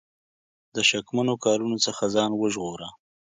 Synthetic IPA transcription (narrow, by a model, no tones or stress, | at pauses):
d̪əʃakmanokɑɾunot͡səxazɑnwəʒɣoɾa